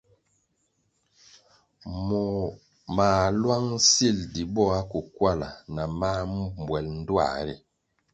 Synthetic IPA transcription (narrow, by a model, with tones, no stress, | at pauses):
mɔ˨ | maː˨lwa˦ŋ̩˦si˦˨ldi˨bɔ˦a˦ku˨kwa˦˨la̰˨na˨ma˦mm˨bwɛ˨ln̩˦dwa̰˦˨˦ɾḭ˨